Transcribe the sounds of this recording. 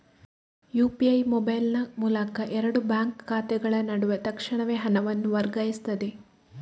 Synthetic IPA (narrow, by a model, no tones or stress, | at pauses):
juːpiɐjmɔbɐjlnɐmuːlɐkɐʔɛɾɐɽubaːŋkʰːaːt̪ɛɡɐɭɐnɐɽuʋɐt̪ɐkʂɐɳɐʋeːɦɐnɐʋɐnːuʋɐɾɡɐjist̪ɐd̪e̞